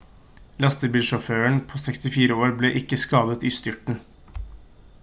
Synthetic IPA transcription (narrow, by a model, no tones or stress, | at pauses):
lɑst̪əbiːlʃɔføːəɳpʰoːsɛkst̪ɪfiːɾəoːɾbleːʔɪkːəskɑːd̪ət̪ʏst̪ʏʈɳ̩